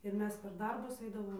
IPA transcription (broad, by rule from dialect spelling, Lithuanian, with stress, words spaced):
ɪr ˈmʲɛs pʲɛr ˈdɐrbʊs ˈɐɪdɐʋoːm